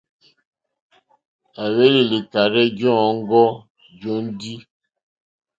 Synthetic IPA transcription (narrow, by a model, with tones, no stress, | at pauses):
a˨we˦li˨li˨ta˨ɾe˦d͡ʒɔ̃˦˨ɔ˨˦ŋ˦ɡɔ˦ | d͡ʒɔ˦n̩˦di˦